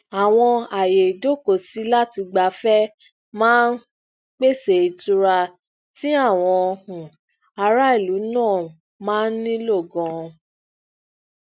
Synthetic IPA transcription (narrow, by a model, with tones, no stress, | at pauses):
a˨w̃ɔ̃˧a˨je˨do˦˨ko˨si˨˦la˦ti˧ɡ͡ba˨˦fɛ˦ | mãː˦n˦ | k͡pe˦˨se˨i˨tu˧ɾa˧ | ti˦a˦˨w̃ɔ̃˧hũ˨ | a˧ɾa˦i˦˨lu˨˦nãː˦˨ | mãː˦n̩˦nĩ˦lo˦˨ɡɔ̃˨˧